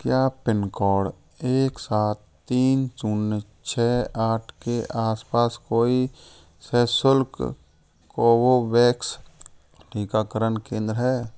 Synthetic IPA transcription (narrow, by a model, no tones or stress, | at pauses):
kjaːpɪnkɔːɽ | eːksaːt̪ | t̪ːiːnt͡ʃunːe | t͡ʃʰɛːaːʈʰkeʔaːspaːskoːi | sɛːsʊlk | kowoʋɛːks | ʈʰiːkaːkəɾənkẽːnd̪ɾəɦɛː